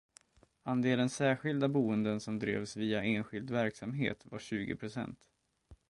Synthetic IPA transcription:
and̪eːlənsæːɧɪld̪abuːənd̪ənsɔmd̪ɾḛːvsviːaʔeːnɧɪld̪væɾksamɦḛːt̪va̰ɕʉ̟ːɡɪ̰pʰɾʊsɛ̰nt̪

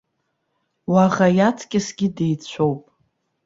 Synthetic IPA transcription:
waʁajatʰkʲʼɪsɡʲɪde̞jt͡ɕʷʰo̞wpʼ

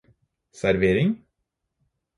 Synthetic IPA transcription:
sæɾʋeːɾɪŋ

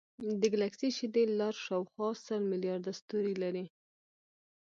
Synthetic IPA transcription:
d̪əɡlaksiʃid̪elaɾʃɑwxwɑsəlmɪljɑɾd̪ast̪uɾilaɾi

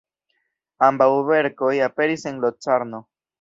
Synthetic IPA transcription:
ambauβeɾkojapeɾiseŋlot͡saɾno

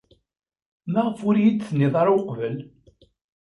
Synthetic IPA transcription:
mæʁfʊɾjid̪t͡sːənːiðˤɑɾwqvəl

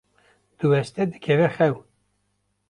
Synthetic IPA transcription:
d̪̥ɨwɛst̪ɛd̪ɨkʰɛvɛxɛw

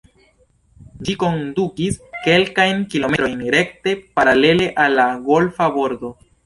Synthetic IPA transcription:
d͡ʒiko̞ndukiske̞lkajnkilo̞meɾo̞jnɾe̞k̚te̞paɾale̞le̞ʔalːaɡo̞lfabo̞ɾdo̞

